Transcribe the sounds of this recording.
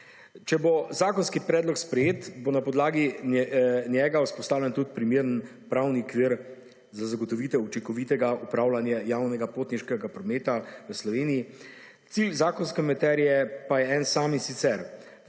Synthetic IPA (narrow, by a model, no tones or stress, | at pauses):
t͡ʃɛbozaːkɔnskipɾɛːd̪lɔkspɾɛjeːt̪bonapɔd̪laːɡi | njɛːɡauspɔst̪aːwlɛnt̪ut̪pɾimeːɾən | pɾawniɔkʋiɾ | zazaɡɔt̪ɔʋiːt̪ɛut͡ʃiŋkɔʋiːt̪ɛɡaupɾaːwlanjajaːwnɛɡapoːt̪niʃkɛɡapɾɔmeːt̪aʋəslɔʋeːniji | t̪silzaːkɔnskɛmat̪ɛːɾijɛpajɛɛnsaːminsit̪sɛɾ